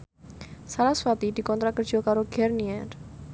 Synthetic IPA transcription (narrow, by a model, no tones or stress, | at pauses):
saɾaswat̪iʈikɔ̃nd̪ɾakəɾd͡ʒiokaɾoɡʱeɾniɛɾ